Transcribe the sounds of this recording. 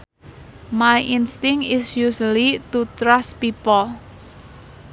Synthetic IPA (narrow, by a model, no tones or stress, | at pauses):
majʔɪnst̪ɪ̃ŋɪsjuslit̪ut̪ɾaspipəl